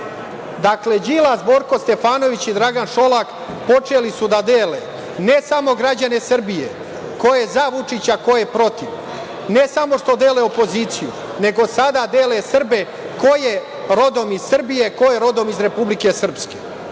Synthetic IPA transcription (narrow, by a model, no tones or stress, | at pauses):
d̪akle̞d͡ʑilazbo̞ːɾko̞st̪e̞faːno̞ʋit͡ɕid̪ɾaɡanʃo̞lak | po̞t͡ʂe̞lisud̪ad̪eːlḛ | ne̞samo̞ɡɾad͡ʑane̞sr̩bijḛ | ko̞jezaʋut͡ʂit͡ɕako̞je̞pɾo̞t̪iʋ | ne̞samo̞ʂt̪o̞d̪eːle̞opo̞ziːt̪sijṵ | ne̞ɡo̞sad̪ad̪eːle̞sr̩be̞ | ko̞je | ɾo̞d̪o̞miz̥srbije̞ko̞jeɾo̞d̪o̞mizɾe̞publike̞sr̩pske̞